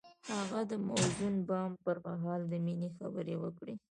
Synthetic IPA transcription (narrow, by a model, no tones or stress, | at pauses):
haɣad̪əmawzunbɑmpəɾmaɦɑld̪əminexa̰bəɾewəkɽi